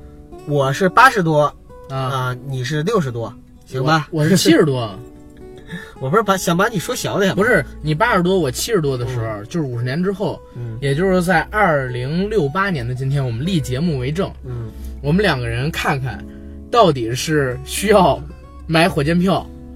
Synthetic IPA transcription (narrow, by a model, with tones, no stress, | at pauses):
wɔ˨˩ʂɻ̩˥˩pa˥ʂɻ̩˧˥t̪̬wɔ˥˧ | ə˧ni˨˩ʂ̬ɻ̩˥˧ljo˥˩˧ʊʂɻ̩˧˥t̪wɔ˥ | ɕi˧˥ba˧wɔ˨˩ʂɻ̩˥˧t͡ɕʰi˥ʂɻ̩˧˥t̪wɔ˥ə˩ | wɔ˨˩pu˧˥ɻ̩˥˩pa˧˥ɕjɑ˨˩ŋpa˧˥ni˨˩ʂwɔ˥ɕjɑ˨˥ʊd̪ə˧˩pu˧˥ʂɻ̩˥˩ni˨˩pa˥ʂɻ̩˧˥t̪wɔ˥wɔ˨˩t͡ɕʰi˥ʂɻ̩˧˥t̪wɔ˥d̪ə˨ʂɻ̩˧˥xo˧ʊt͡ɕjo˥˧ʊʂ̩˥˩u˨˩ɻ̩˧˥njɛ˧˥nʈ͡ʂɻ̩˥xo˥˩ʊ˩jɛ˨˩t͡ɕjo˥˧ʂɻ̩˥˧t͡sa˥˧ɪʔɐ˥˩li˧˥ŋljo˥˩ʊpa˥njɛ˧˥nd̪ə˧t͡ɕi˥nt̪ʰjɛ˥nwɔ˨˩mə˦nli˥˩t͡ɕjɛ˧˥mu˥˩we˧˥ɪʈ͡ʂɤ˥˩ŋ̩˥˩wɔ˨˩mə˦nljɑ˨˩ŋɡə˦ɻə˧˥nkʰa˥˩nkʰa̰˨˩n | t̪ɑ˥˩ʊt̪̬i˨˩ʂɻ̩˥˩ɕy˥jɑ˥˩ʊ | ma˧˥ɪxwɔ˨˩t͡ɕjɛ˥npʰjɑ˥˩ʊ